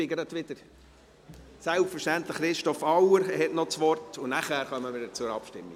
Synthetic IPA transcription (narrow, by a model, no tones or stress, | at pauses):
ɪɡəɾət̪ʋɪd̥əɾ | sælpfəɾʃtænt̪ləχːɾɪʃtɔfɑwəɾhɛtnɔt͡sʋɔrtʊnæχæːɾχœmːəmɪdət͡sʊɾɑ̰pʃtɪ̰mːi